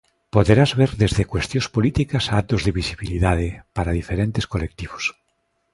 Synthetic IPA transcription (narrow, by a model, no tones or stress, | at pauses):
poðeɾazβeɾðezðekwest̪jõspolit̪ikasat̪ozðeβisiβiliðað̞epaɾaðifeɾent̪eskolek̚t̪iβos